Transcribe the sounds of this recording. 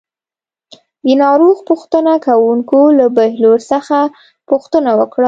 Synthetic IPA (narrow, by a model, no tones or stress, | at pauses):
d̪ənɑɾoɣpuxt̪ənakawuŋkolabahloɾsəxa | pʊxt̪ənawəkɽa